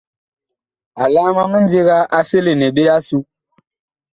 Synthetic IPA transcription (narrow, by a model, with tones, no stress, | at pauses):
a˨laː˦ma˦mə˦n̩˦de˦ɣa˦ʔa˦se˦le˨nɛ˨be˦a˦su˦